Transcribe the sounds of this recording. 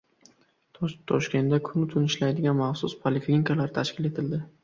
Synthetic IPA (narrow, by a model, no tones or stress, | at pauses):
t̪ʰɒʃkʲe̞nd̪akʰʊnɪt̪ʰʊnɪʃlajd̪ɪɡʲanmaχsʊspʰalɪfnkalaɾɪt̪ʰaʃkʲɪle̞t̪ʰɪld̪ɪ